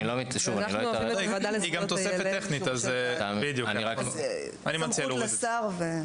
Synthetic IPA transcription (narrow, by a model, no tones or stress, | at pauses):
ilomiʃuvanloɐdiɡamt̪osefet̪ːeχnit̪azbid̪jukniʁak | animat͡siallsaʁve